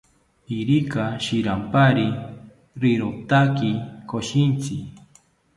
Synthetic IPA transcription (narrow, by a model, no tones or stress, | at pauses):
iɾikaʃiɾampaɾi | ɾɪɾot̪akikoʃint͡sɪ